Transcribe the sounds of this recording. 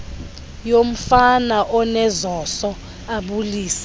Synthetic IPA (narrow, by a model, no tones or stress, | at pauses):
jom̩fanaʔɔnɛzɔsɔ | aɓuliːsɛ̥